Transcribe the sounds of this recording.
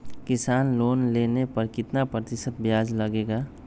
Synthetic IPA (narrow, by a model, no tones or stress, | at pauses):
kɪsaːnloːnlenepɐɾkɪt̪napɾət̪ɪsət̪̚bjaːd͡ʒləɡeːɡaː